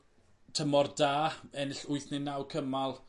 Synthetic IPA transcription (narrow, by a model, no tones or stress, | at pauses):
tʰəmɔrdaːɛnɪɬʊjθnɪnːawkʰəmalˠ